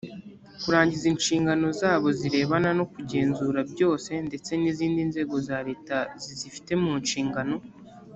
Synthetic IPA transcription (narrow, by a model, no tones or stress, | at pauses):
kuɾaːɲɟizinʃiːŋɡano̞zaːβo̞ziɾe̞ːβanano̞kuɟe̞ːnzuːɾabɟo̞ːse̞nde̞t͡se̞niziːndinze̞ːɡo̞zaːɾe̞ːtazizifi̥te̞muːnʃiːŋɡano̞